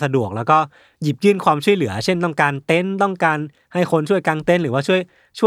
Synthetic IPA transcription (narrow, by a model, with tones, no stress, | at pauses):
sa˧du˨˩ək̚lɛː˦˥wkɔː˥˩ | ji˨˩p̚jɯː˥˩nkʰwaː˧mt͡ɕʰu˥˩əjlɯ˩˦ɐt͡ɕʰe˥˩nt̪ɔ˥˩ŋkaː˧nt̪e˧˥˩nt̪ɔ˥˩ŋkaː˧n | ha˥˩jxʰo˧nt͡ɕʰu˥˩əjka˧ŋt̪e˧˥nɾɯː˩˦waː˥˩t͡ɕʰu˥˩əj | t͡ɕʰu˥˩